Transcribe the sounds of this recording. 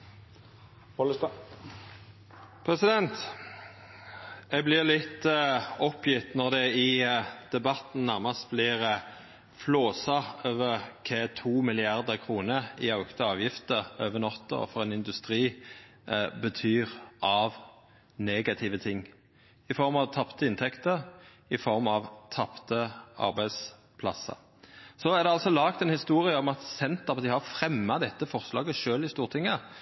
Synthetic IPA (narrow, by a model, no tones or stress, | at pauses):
pʰʁɛsɪd̪ɛnt̪ | ɛɡ̚blɪʁlɪt̪ːɔpjɪt̪nɔʁd̪ɛɪd̪̥ɛbɑt̪n̩næʁmɑst̪̚blɪːʁə | floːsɑøːʋəʁkʰeːt̪ʰuːmɪlɪɑʁd̪əʁkʰʁuːnəɪɑʉɡt̪ʰɑɑːʋjɪft̪əʁøːʋənɔt̪ːɔ̰fɔʁɛːnɪnd̪ʉst̪ʁiː | bət̪ʰyːʁʔɑʋ | neːɡɑt̪ʰɪʋət̪ʰɪŋː | ɪfɔʁmɑʋt̪ʰɑpt̪əɪnt̪ʰɛkt̪əʁ | ɪfɔʁmɑʋt̪ʰɑpt̪əʔɑ̰ʁbæɪd̪s | pʰlɑ̰sə̰ | sɔæʁd̪ɛɑlsɔlɑːkt̪ɛnhɪst̪uːʁɪəɔmɑt̪sɛnt̪əpd̪ɪhɑʁfʁɛmːɑd̪ɛt̪ːəfɔʁslɑ̰ːɡəʃøːlɪst̪uːʁt̪ʰɪŋːə